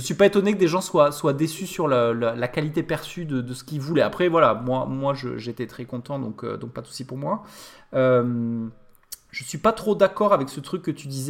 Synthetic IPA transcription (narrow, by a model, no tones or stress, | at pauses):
ʒəsɥipaet̪ɔnekəd̪eʒɑ̃swaswad̪esysyʁləlalakalit̪epɛʁsyd̪əd̪əsə̥kʲilvulɛapχɛvwalamwamwaʒə̰ʒet̪et̪χɛkɔ̃t̪ɑ̃d̪ɔ̃kø̰d̪ɔ̃k̚pad̪su̥sipuʁmwa | øm | ʒ̥əsɥipat̪χod̪akɔʁavɛksət̪χykːət̪yd̪izɛ